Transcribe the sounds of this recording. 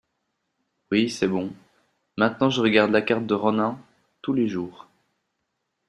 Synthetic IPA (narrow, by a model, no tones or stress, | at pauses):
wisɛbɔ̃ | mɛ̃t̪nɑ̃ʒəʁəɡaʁd̪lakaʁt̪̚d̪əʁɔnɛ̃ | t̪uleʒuːʁ